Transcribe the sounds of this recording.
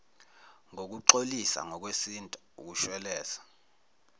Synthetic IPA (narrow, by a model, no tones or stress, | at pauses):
ŋok̬uǃolisa̰ŋɔk̬wesintʼauk̬uʃwɛlɛːsḁ